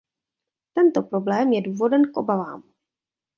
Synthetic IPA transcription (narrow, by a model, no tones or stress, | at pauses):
t̪ɛnt̪o̞pɾo̞blɛːmjɛduːvo̞dɛnkʔo̞bava̰ːm